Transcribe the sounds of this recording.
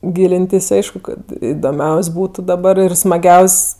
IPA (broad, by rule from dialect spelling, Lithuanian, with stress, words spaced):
ˈɡʲiːlʲɪnʲtʲɪs ˈɐɪʃkʊ kɐt ɪdoːˈmʲɛʊsʲ ˈbuːtʊ dɐˈbɐr ɪr smɐˈɡʲɛʊsʲ